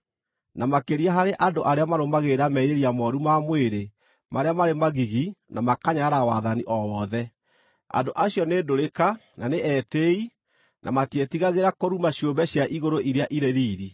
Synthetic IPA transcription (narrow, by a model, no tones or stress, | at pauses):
namakeɾiaɦaɾeʔandoʔaɾeamaɾomaɣeɾamɛiɾeɾiamɔɾumamweɾe | maɾeamaɾemaɣiɣinamakaɲaɾawaðaniʔɔwɔðɛ | a̰ndoʔaɕjɔnedoɾeka | naneʔɛtei | nʔa̰matetiɣaɣeɾakoɾumaɕjombɛɕjaʔiɣoɾoʔiɾeaʔiɾeɾiːɾi